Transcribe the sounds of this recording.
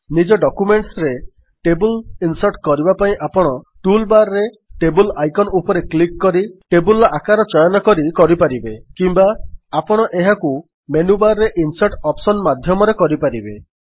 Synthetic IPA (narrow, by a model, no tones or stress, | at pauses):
nid͡ʒɔɖɔkumeɳʈsɾe | ʈebulinsɔɾʈkɔɾibapaĩʔapɔɽ̃ɔ | ʈulbaɾɾe | ʈebulajkɔnupɔɾeklikːɔɾiʈebulakaɾɔt͡ʃɔjɔnɔkɔɾikɔɾipaɾibekimbaapɔɽ̃ɔʔeɦaku | menubaɾɾeʔinsaɾʈɔpsɔnmad̪ʱjɔmɔɾekɔɾipaɾibe